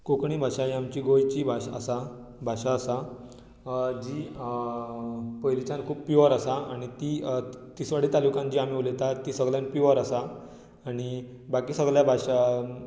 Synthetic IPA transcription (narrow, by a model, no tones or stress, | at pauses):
kokɳiːbʱaɕajamt͡ɕiːɡojt͡ɕiːbʱaa̰sa | bʱaɕaːsa | d͡ʑiː | pəjlit͡ɕãnkʰuːppiʋəɾasaaɽ̃it̪iːt̪isʋaɽ̤it̪alukãnd͡ʑiːam̤iːolet̪at̪iːsəɡljãnpiʋəɾasaː | ɽ̃i | bakiːsəɡljabʱaɕa